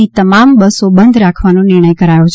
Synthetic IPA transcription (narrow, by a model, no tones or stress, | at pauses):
it̪əmambəsobənd̪ʱɾakʰʋanõnɪɾɳ̃əjkəɾajõt͡ʃʰ